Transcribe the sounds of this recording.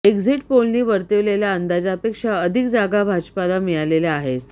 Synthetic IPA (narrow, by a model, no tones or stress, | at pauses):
eɡd͡ziʈpolniːʋəɾt̪eʋleljaənd̪ad͡zapekʂaəd̪ʱikd͡zaɡabʱad͡ʑpalamijaleleaɦet̪